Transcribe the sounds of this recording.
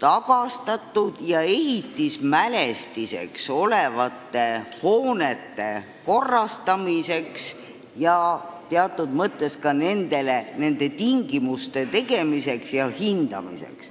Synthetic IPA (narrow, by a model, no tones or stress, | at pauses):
t̪ɑɡ̥ɑst̪ɑt̪ˑːud̪̥jɑe̞ɦit̪ːismæle̞st̪ise̞̰kso̞le̞vɑt̪ːe̞ho̞ːnet̪ːe̞ | ko̞rːɑst̪ɑmise̞ks | jɑt̪eɑt̪ːˑud̪̥mɤt̪ːˑe̞skɑne̞nd̪e̞lene̞nd̪̥e̞t̪iŋɡ̥imust̪e̞t̪e̞ɡe̞mise̞ksjɑhind̪̥ɑ̰mḭsḛks